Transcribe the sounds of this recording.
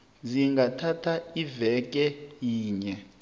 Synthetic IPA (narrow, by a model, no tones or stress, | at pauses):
ziŋɡatʰatʰaivɛk̬ʼɛjiːɲɛ